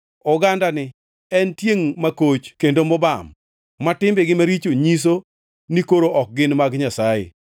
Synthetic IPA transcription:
ɔɡandanɪ | ɛntjeŋmakot͡ʃkendomɔbamː | atɪmbɪɡɪmaɾit͡ʃoɲis̬o | nikoɾoʔɔk̚ɡɪnmaɡɲasajḛ

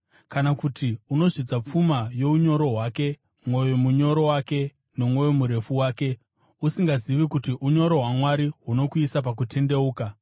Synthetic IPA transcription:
kanakutʰiuno̞ʐid͡zap͡fumajo̞uɲo̞ɾo̞ɦwake̞ | mwo̞jemuɲo̞ɾo̞wake̞ | no̞mwo̞jemuɾe̞fuwaːke̞ | usiŋɡaziʋikutiʔuɲo̞ɾo̞ɦwamwaɾiɦuno̞kuisap̬ak̬utʰe̞nde̞uːka

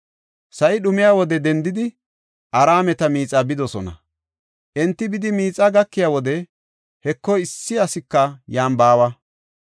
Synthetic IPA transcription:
sɐʔɪɗʊmɪjaːwɔd̪ɛd̪ɛnd̪ɪd̪ɪ | ʔɐɾaːmɛt̪ɐmiːt͡sʼɐbɪd̪ɔsɔnɐ̰ | ʔɛnt̪ːɪbɪd̪ɪmiːt͡sʼːɐɡɐkːɪjaːwɔd̪ɛ | hɛkːɔjɪsːɪɐsɪkːɐjaːmbaːwɐ

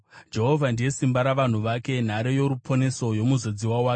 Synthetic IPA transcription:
d͡ʒe̞ɦo̞vʱandije̞simbaɾaʋan̤uʋake̞n̤aɾejo̞ɾupʰo̞ne̞so̞jo̞muzo̞d͡ziwawaːk

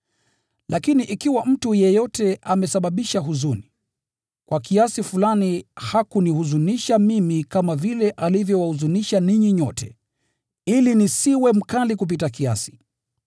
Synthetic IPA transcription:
lʔakiniʔikiwam̩tujɛjɔtɛʔamɛsaɓaɓiʃaɦuzuni | kwakiasifulanihakunihuzuniʃamimikamavilɛʔalivjɔwahuzuniʃaniɲiɲɔtɛ̰ | ilinisiwɛm̩kalik̬up̬itakia̰si̥

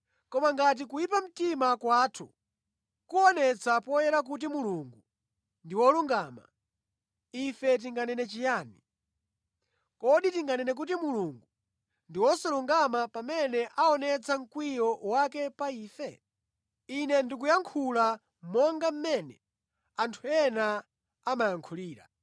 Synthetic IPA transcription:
kɔmaŋɡat̬ik̬ujip̬am̩timakwaːtʰu | kuɔnɛt͡sʰapɔjɛɾak̬ut̬imuluŋɡu | ndiwɔluŋɡama̰ | ifɛt̬iŋɡanɛnɛt͡ʃijaːni | kɔɗitiŋɡanɛnɛk̬ut̬imuluŋɡu | ndiwɔsɔluŋɡamapamɛnɛʔaɔnɛt͡sʰaŋ̩kwijɔwakɛpaiːfɛ | inɛndik̬ujaŋkʰula | mɔŋɡam̩mɛnɛ | antʰuɛna | amajaŋkʰuliːɾa̰

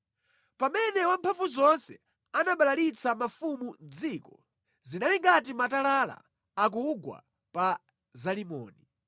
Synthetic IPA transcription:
pamɛnɛwampʰafuzɔnsɛ | anaɓalalit͡samafumund͡ziːkɔ | zinaliŋɡat̬imatalala̰ | ak̬uɡwa̰ | pa | zalimɔ̰ːni

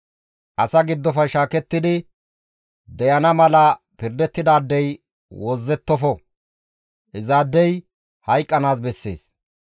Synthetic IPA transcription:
ʔɐsɐɡɪd̪ːɔfɐjʃaːkɛt̪ːɪd̪ɪ | d̪ɛjɐnɐmɐlɐ | pɪɾd̪ɛt̪ːɪd̪aːd̪ːɛj | wɔzːɛt̪ːɔfɔ | ʔɪzaːd̪ːɛj | hɐjkʼːɐnaːs̬bɛsːe̞̰ːs

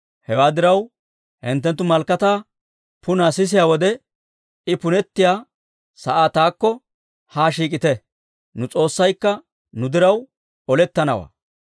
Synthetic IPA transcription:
hɛwaːd̪ɪɾɐw | hɪ̰nt̪ːɛnt̪ːʊmɐlkːɐt̪aː | pʊnaːsɪs̬ɪjaːwɔd̪ɛ | ɪpʊnɛt̪ːɪjaː | sɐʔaːt̪aːkːɔ | haːʃiːkʼɪt̪ɛ | nʊt͡sʼo̞ːsːɐjkːɐ | nʊd̪ɪɾɐw | ɔlɛt̪ːɐnɐwa̰ː

